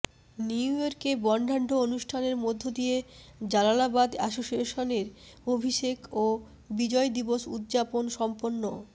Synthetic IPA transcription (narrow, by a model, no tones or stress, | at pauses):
niujoɾkebɔɳɖʱaɳɖʱoonuʃʈʰaneɾmod̪ʱːod̪ije | d͡ʑalanabad̪aʃoʃieʃoneɾ | obʱiʃeko | bid͡ʑɔed̪iboʃṵd̪d͡ʑaponʃɔmponːo